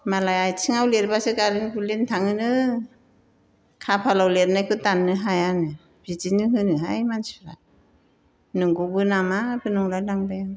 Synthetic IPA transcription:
malajajtʰiŋawlet̚basɯkalɯŋbɯlint̪ʰaŋɯnɯ | kʰapʰalawlet̚najkʰɯt̪anːɯɦajanɯ | bid͡ʒinɯɦɯnɯɦajmansi̥la̰ | nɯŋɡubɯnamabʰɯnuŋlajnaŋbajaŋ

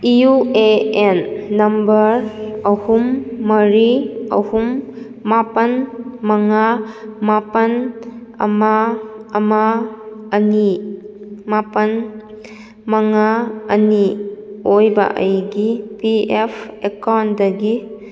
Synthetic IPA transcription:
iueenːɐmbɐɾɐhumːɐɾiɐ̰humː | apɐnmaŋamapɐn | ɐ̰maːmaː | ni | mapɐn | maŋaɐniojba̰ʔɐ̰jɡipiepʰekawndɐɡi

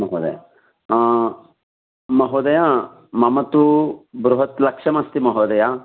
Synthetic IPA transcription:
mɐɦoːd̪ɐ̰ja̰ | mɐɦoːd̪ɐjaː | mɐmɐt̪ubɾuɦɐt̪lɐkʂɐmɐst̪imɐɦoːd̪ɐja

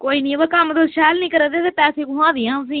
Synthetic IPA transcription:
koːiːnĩːbakəmd̪oʃɛːlnĩːkəɾəːd̪eːt̪eːpɛːseːkʊɦãːd̪iːãːsĩː

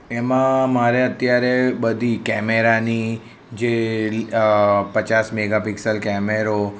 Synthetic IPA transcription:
emãmaɾeət̪jaɾebəd̪ʱikɛmeɾani | d͡ʒe | pət͡ʃasmeɡapɪksəlkɛmeɾo

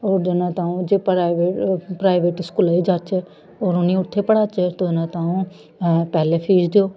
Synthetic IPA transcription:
oːɾd͡ʒenãːt̪ãːũːd͡ʒeːpaʋeːpɾaːɪʋeːʈɪskuːlaːiːd͡ʒaːt͡ʃɛ | oːɾʊnĩːʊt̪ʰːeːpəɽaːt͡ʃɛt̪õnãːt̪ãːũː | pɛːleːpʰiːd͡ʒd̪eoː

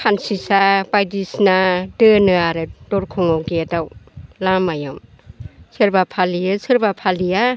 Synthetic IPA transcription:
kʰansisabajdisnadɯnɯaɾɯdɔɾkʰɔŋawɡedawlamajɯm | sɯɾbapʰalijɯsɯɾbapʰalija

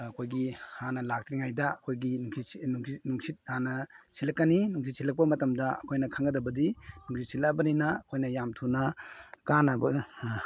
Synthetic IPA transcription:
ɐkʰojɡihanɐlak̚tɾiŋajdɐɐkʰojɡinuŋiuŋsinuŋsit̚hanɐsilɐkːɐninuŋs̬ʰit̚sʰilɐk̚pɐmɐtɐmdɐɐkʰojnɐkʰaŋɡɐdɐbɐdinuŋsʰit̚silabɐninɐɐkʰojnɐjamtʰunɐkanɐbɐ

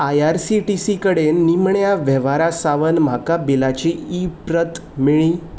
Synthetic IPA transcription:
ajaɾsiʈisikəɽenːimɳjaʋɛʋaɾasaʋənm̤akabilat͡ɕiipɾət̪miɭ̃iː

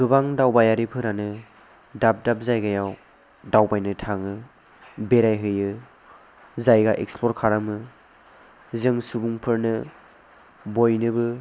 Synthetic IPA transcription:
ɡɯbaŋdawbajaɾipʰɯɾanɯ | dap̚dap̚zajɡajaw | dawbajnɯtʰaŋɯ | beɾajɦɯjɯ | zajɡaʔek̚splɔɾkʰaɾamɯ | zɯŋsubuŋpʰɯɾnɯ | bojnɯbɯ

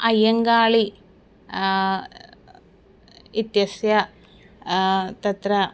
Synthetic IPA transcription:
ɐjɐŋɡaːɭi | it̪jɐsjɐ | t̪ɐt̪ɾɐ

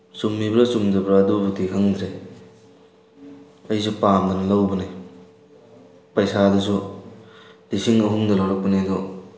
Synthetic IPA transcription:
sumːibɾɐsumd͡ʒɐbɾadubutiɦɐŋd̪ɾe | ɐjs̬upamdɐnɐlɐwbɐni | pɐjsadɐsu | lisiŋɐɦuŋdɐlɐwɾɐk̚pɐned̪o

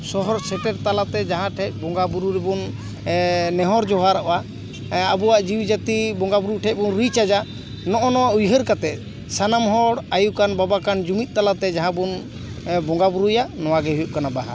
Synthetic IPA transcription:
sɔɦɔɾsɛʈɛɾt̪alat̪ɛd͡ʒaɦãʈʰɛc̚ˀbɔŋɡabuɾuɾɛbɔn | nɛɦɔɾd͡ʒɔɦaɾaʔwa | abɔwaʔd͡ʒiwd͡ʒat̪ibɔŋɡabuɾuʈʰɛc̚ˀbɔnɾit͡ʃad͡ʒa | nɔʔɔnɔwaʔujɦəɾkat̪ɛt̪̚ | sanamɦɔɽajukanbabakand͡ʒumit̪̚ˀt̪alat̪ɛd͡ʒaɦãbun | bɔŋɡabuɾujanɔwaɡɛɦujuʔ̚kanabaɦa̰ɾ

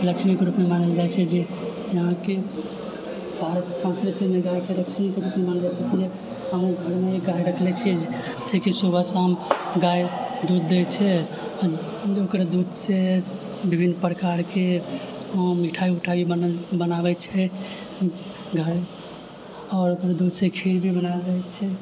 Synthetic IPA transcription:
ləkʃmikɾupmemanəld͡ʒat͡ʃʰɛd͡ʒed͡ʒəɦãke | bʱaɾət̪sãnskɾit̪imeɡajkeləkt͡ʃmikɾupmemanld͡ʒat͡ʃʰɛt͡ʃʰɛd͡ʒe | əmɡʱəɾmeeɡajɾəkʰlɛt͡ʃʰid͡ʒ | sɛkisubʱəsamɡajd̪ud̪̚ːet͡ʃʰɛ | d͡ʒokɾed̪ud̪se | bibʱinːpɾkaɾke | miʈʰaiuʈʰaibənabɛt͡ʃʰɛ | ɡʱəɾ | ɔːɾokɾed̪ud̪sekʰiɾbʱibənaət͡ʃʰɛ

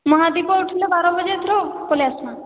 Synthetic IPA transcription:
mɔɦad̪ipɔuʈʰilebaɾɔbɔd͡ʒet̪ʰɾokoleasna

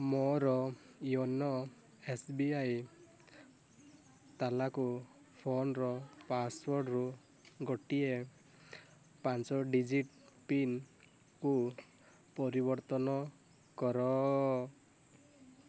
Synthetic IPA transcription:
mɔɾɔjɔnɔ | esbiaj | t̪alaku | pʰonɾɔpaswɔɾɖɾu | ɡɔʈie | pant͡ʃɔɖid͡ʒiʈ | pin | ku | pɔɾibɔɾt̪ɔnɔ | kɔɾɔ

